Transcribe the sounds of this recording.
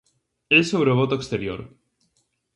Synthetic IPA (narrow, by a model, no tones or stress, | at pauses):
esoβɾeoβot̪oekst̪eɾjo̰ɾ